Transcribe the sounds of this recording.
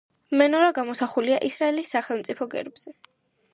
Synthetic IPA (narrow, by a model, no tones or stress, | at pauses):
mɛnɔɾaɡamɔsaχuliaʔisɾaɛlisːaχɛlˠmt̪sʼipʰɔɡɛ̰ɾbz̥ɛ